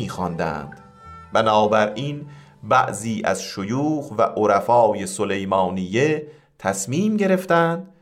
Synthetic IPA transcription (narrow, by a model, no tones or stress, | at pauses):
iːxɒnd̪æ̰nd̪̥ | bænɒːbæɾʔiːn | bæ̰ʔziːʔæ̰zʃojuːɣvæ̰ʔoɾæfɒːje̞sole̞jmɒːnije | t̪ʰæsmiːmɟe̞ɾe̞ft̪ænd̪̥